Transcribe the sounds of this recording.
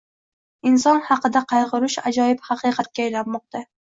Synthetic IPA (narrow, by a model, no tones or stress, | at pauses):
ɪnsɒnhɑqɨd̪aqʰɑjʁɨɾʊʃad͡ʒɒjɪphɑqʰɨjqʰɑt̪̚kʲaajlanmɒq̚t̪a